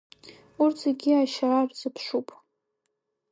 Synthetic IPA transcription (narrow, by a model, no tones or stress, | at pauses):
urt͡sʰeɡʲiaʃaːrzɨpʰʂupʼ